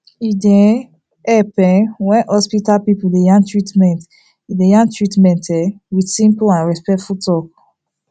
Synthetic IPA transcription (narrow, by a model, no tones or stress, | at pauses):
idɛ̃ | ɛpɛ̃wɛ̃nhɔspitalpipudejãŋtɹitmɛ̃nt | idejãŋtɹitmɛ̃ntʰɛwidsĩmpuãnɹɛspɛk̚tfutʰɔk̚